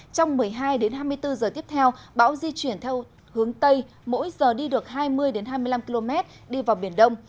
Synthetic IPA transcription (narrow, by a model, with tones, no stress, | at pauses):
t͡ɕɔ˧wŋ͡mmɨ˨˩əjɦaː˧jɗe˨˦nɦaː˧jmɨ˧əjt̪ɨ˧zəː˨˩t̪i˦˥əp̚t̪ʰɛ˧wɓa̰ː˧˥wzi˧t͡ɕwi˧˩ənt̪ʰɛ˧w | hɨ˨˦əŋt̪ə˧j | mo̰˧˥jzəː˨˩ɗi˧ɗɨ˨˩ək̚ɦaː˧jmɨ˧əjɗe˨˦nɦaː˧jmɨ˧əjla˧mki˧lo˧mɛ˦˥t̚ | ɗi˧vaː˨˩wɓi˧˩ənɗə˧wŋ͡m